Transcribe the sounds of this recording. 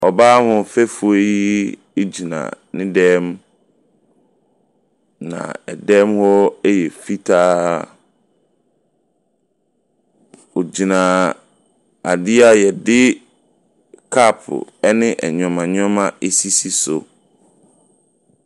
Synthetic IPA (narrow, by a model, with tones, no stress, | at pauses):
ɔ˨baː˦hʊ̃˨fɛ˦fu˨e˦i˦ | e˦d͡ʑi˨nã̰˨ | nɪ̃˦dɛ˦m | nã̰˨ɛ˨dɛ˦mhɔ˦ɛ˦jɛ˨fi˦tʰaː˦ | o˨d͡ʑi˨nã˨ | a˨dɪ˦a˦jɛ˨dɪ˦ | kʰa˦pʰʊ̰˨ɛ˦nɪ̃˦ʔɛ̰˨ɲᶣã˨mã˨ɲã˦mã˦e˨si˦si˦sʊ̰˨